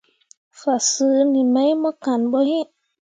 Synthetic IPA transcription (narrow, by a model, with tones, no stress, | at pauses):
fa˨sɨ˨˦ni˨mɛ˦jmɔ˦ka˨nɓɔ˦hi˦